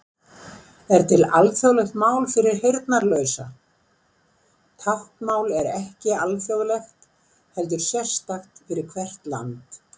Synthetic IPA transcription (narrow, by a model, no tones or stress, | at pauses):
ɛɾ̥t̪ʰɪla̰lfjoɣlɛxt̪maːwlfɪɾɪɾ̥hejɾt̪naɾlœːɥsa | t̪ʰaht̪maːwlɛɾɛhcɪalfjowɣlɛxt̪ | hɛlt̪ʏɾ̥sjɛr̥st̪axt̪fɪɾɪɾ̥kʰvɛr̥t̪la̰nt̪